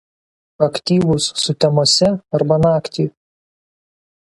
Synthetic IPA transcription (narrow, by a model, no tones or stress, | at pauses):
ɐkt̪ʲiːʋʊsːʊt̪ʲɛmoːsʲɛɐɾbɐnɑːkt̪ʲiː